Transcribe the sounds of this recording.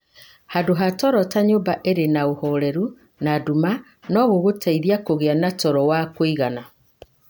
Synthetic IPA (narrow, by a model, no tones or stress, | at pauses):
hadoɦatɔɾɔtaɲoːmbaʔeɾenaohɔɾɛɾu | naduma | nɔɣoɣotʰaiðiakoɣeanatɔɾɔwakwiɣana